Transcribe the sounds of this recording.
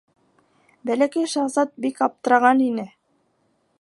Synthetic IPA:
bælækæjʃɑʁzɑt̪̚bikɑp̚t̪ɤ̆ɾɑʁɑninɘ

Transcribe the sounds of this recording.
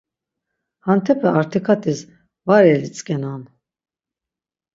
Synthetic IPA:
hant̪ʰɛpʰɛaɾt̪ʰikʰat̪ʰis | vaɾɛlit͡sʼkʼɛnan

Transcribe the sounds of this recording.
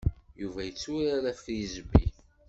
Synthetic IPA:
juvæjət͡sːuɾaɾæfɾizəbːi

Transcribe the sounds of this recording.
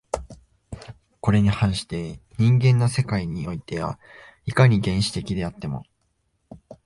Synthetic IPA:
ko̞ɾe̞ɲ̟ihãɰ̃ɕi̥t̪e̞ɲ̟ĩŋɡẽ̞nːose̞kaiɲ̟io̞it̪e̞βa̰ | ikaɲ̟iɡẽ̞ɰ̃ɕi̥t̪e̞kʲid̪e̞at̪ːe̞mo̞̰

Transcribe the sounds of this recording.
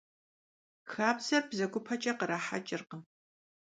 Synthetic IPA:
xaːbz̥ɐrbzɐɡʷʼʊpʰɐt͡ʃʼɐqəɾaːħa̰t͡ʃʼɪrqə

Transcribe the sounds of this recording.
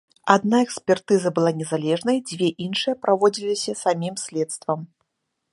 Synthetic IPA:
ad̪naɛksʲpʲɛrt̪ɨzɐbɨlˠanʲɛzalʲɛʐnɐjd͡zʲvʲeʔinʂɨjɐpɾʔavɔd͡zʲilʲisʲɐsamʲimsʲlʲɛt̪st̪vɐm

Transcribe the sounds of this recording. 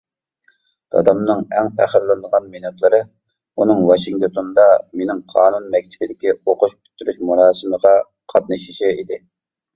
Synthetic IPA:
d̪̥ɑ̰d̪ɑmnɨŋɛŋpʰæχəɾlˠɨnd̪əʁɑnminut̪lˠɨɾɨ | unɨŋwɑʃiŋt̪ot̪ʰond̪ɑmenɪŋqʰɑːnunmɛk̚ʲt̪ʰɪbɪd̪ɪkʲioqʊʃpʰʲy̥t̪ʰːyɾyʃmuɾɑːsɨməʁɑ | qʰɑt̪̚nɨʃi̥ʃiid̪ɪ

